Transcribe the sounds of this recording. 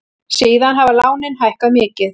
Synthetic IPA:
siːðanɦavalaːwnɪnɦajhkaðmɪːcɪθ

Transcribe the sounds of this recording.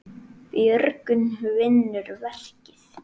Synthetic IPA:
pjœɾkʏnvɪnːʏɾvɛl̥cɪθ

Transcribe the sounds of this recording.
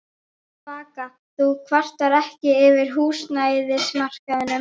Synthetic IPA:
vaːka | θukʰvar̥t̪aɾɛhcɪɪvɪɾ̥ɦuːsnaːjðɪsmar̥kaðʏnɛ

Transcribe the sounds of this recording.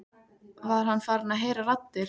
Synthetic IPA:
vaɾ̥hanːfaɾnaðɦeːjɾaɾat̪ːɪɾ

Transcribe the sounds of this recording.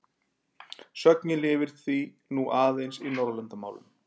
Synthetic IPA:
sœknɪlɪvɪɾ̥θi | nuʔaːðejnsinɔɾlɛnt̪amaːwlʏ̰m

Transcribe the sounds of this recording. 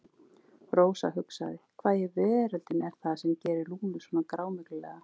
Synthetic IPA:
roːwsa̰ɦʏksa̰ðɪkʰv̥aːðjɪvɛːɾalt̪ɪnɛɾ̥θaðsɛmcɛːɾɪluːnmɪsvɔːnakɾaːwmʏklʏlɛːɣa

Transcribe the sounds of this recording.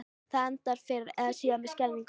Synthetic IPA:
θaðɛnt̪aɾ̥fɪɾɪɾɛðasiamɛskɛlniŋk

